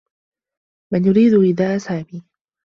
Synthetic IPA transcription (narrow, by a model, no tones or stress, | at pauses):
manjʊɾiːd̪ʊʔɪðaːʔasaːbiː